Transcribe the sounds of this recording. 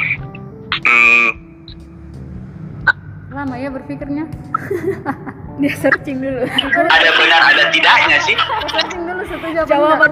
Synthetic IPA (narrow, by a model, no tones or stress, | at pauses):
m̩ | lamajabərfikɪrɲa | diasərt͡ʃɪŋdulʊadabənara̰dat̪idaʔɲasɪhsərt͡ʃɪŋdulʊsat̪ud͡ʒaad͡ʒawapa